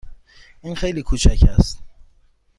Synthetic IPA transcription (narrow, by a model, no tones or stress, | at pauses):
ʔiːnxejliːkʰuːt͡ʃʰæcʰæst̪